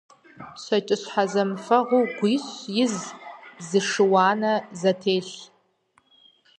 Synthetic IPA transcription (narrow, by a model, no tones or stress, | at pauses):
sʷat͡ʃʼɨɕʷħazamfaʁuɡʷiɕʷjɪzzɨʂɨwaːnazatʰejɬ